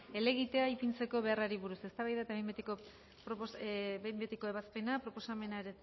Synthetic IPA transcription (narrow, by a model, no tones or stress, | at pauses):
e̞le̞ɣit̪e̞aipint͡se̞ko̞βe̞araɾiβuɾuse̞st̪aβajðaet̪aeemet̪eko | pɾosembet̪eko̞e̞βaspe̞napɾo̞po̞same̞naeɾe